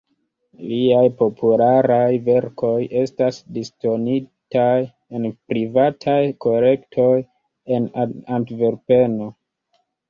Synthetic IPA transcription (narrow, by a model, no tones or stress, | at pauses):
liajpo̞pʰulaɾajve̞ɾko̞je̞stasdisto̞nitaj | enpɾivatʰajko̞le̞ktʰo̞j | e̞nantveɾpe̞no̞